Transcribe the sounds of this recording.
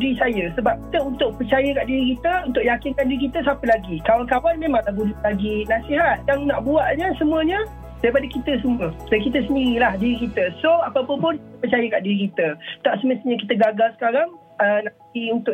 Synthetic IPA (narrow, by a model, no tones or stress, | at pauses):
ɾisajəsəbap̚ki̥t̪əunt̪ʊʔ̚pərt͡ʃajəkaʔdiɾikit̪əunt̪ʊʔjakinkandiɾikit̪əsapəlaɡikawankawanmẽmãŋdahbudulaɡinasiɦat̪̚jaŋnaʔbuaʔɲəsəmũəɲə̃ | d̥ajipadəkit̪əs̬əmũədakit̪əsəndiɾilahdiɾikit̪əsoapapəpʊnkit̪əpərt͡ʃajəkaʔdiɾikit̪ət̪aʔsəməst̪iɲək̬it̪əɡaɡalsə̥kaɾaŋ | ənãt̪iunt̪ʊʔ